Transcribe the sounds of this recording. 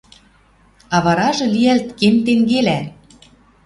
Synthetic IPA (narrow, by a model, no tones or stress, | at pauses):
ɑβɑɾɑʒɤ̆lijælt̪kemt̪eŋɡelæ